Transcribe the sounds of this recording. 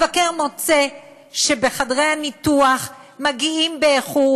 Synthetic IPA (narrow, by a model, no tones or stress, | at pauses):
vakeʁmo̞t͡se | ʃebeχadʁe̞janituaχ | maɡiimbeːχu